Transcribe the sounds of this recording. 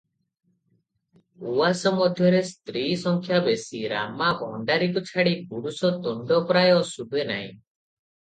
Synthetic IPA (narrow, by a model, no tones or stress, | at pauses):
uwasɔmɔd̪ʱjɔɾest̪ɾisɔŋkʰjabesiɾa̰mabʱɔ̰ɳɖaɾikut͡ʃʰaɽiɡuɽusɔt̪uɳɖɔpɾajɔsubʱena̰ḭ̃